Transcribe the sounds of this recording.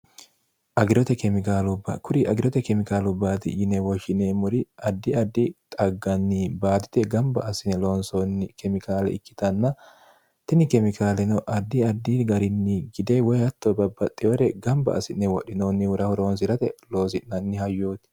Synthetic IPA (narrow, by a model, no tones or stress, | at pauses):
ʔɐɡɪɾɔt̪ɛkɛmɪkaːlʊbːɐ̰kʊɾɪʔɐɡɪɾɔt̪ɛkɛmɪkaːlʊbːaːt̪ɪ̰jɪnɛwɔʃɪneːmʊɾɪɐd̪ːɪɐd̪ːɪt̪ʼɐɡːɐnːiːbaːd̪ɪ̥t̪ɛɡɐmbɐ̰ɐsɪnɛlo̞ːnsonːɪkɛmɪkaːlɛ̰ɪkːɪ̥t̪ɐnːɐ | t̪ɪnɪkɛmɪkaːlɛnɔʔɐd̪ːɪɐd̪ːiːɡɐɾɪnːiɡɪd̪ewɔjɐt̪ːobɐbːɐt̪ʼːɛwɛɾɛɡɐmbɐ̰ɐ̰sɪnːɛwɔɗɪnoːnːɪwʊɾɐhɔɾo̞ːns̬ɪɾɐt̪ɛlo̞ːsɪnnɐnːɪhɐjːoːt̪ɪ̥